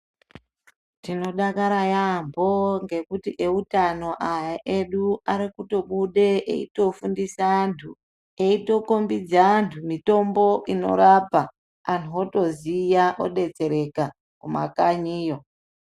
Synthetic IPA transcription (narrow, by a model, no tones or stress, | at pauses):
tino̞ɗakaɾajambo̞ŋɡe̞kutiʔeutano̞ʔajaʔeɗuaɾikuto̞ɓuɗeʔḛito̞fundisantʰu | eito̞kombid͡zantʰumito̞mbo̞ʔino̞̰ɾapaː | ntuoto̞zijaʔoɗe̞t͡se̞ɾe̞ka | kuma̰kaɲiːjo